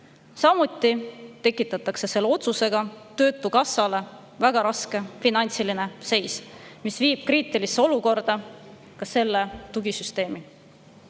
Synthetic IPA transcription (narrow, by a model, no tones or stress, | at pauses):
sɑmut̪ːˑit̪e̞kːˑit̪ːˑɑt̪ːˑɑkse̞se̞lːeo̞t̪suse̞ɡ̥ɑt̪ø̞ːt̪ːˑukɑsɑle̞ | væɡ̥ɑɾɑske̞finɑnʲt̪siline̞se̞jsmisviːb̥̚kriːt̪ˑilisːeo̞luko̞rd̪̥ɑ | kɑse̞lːe̞t̪uɡisyst̪e̞ːmi